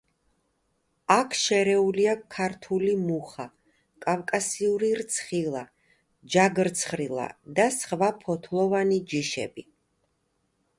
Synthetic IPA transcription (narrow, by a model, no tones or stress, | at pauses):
akʰʃɛɾɛuliakʰːaɾt̪ʰulimuχa | kʼavkʼasiuɾiɾt̪sʰχilˠa | d͡ʒaɡɾt̪sʰχɾilˠa̰d̪asχvapʰɔt̪ʰlˠɔvanid͡ʒiʃɛ̰bi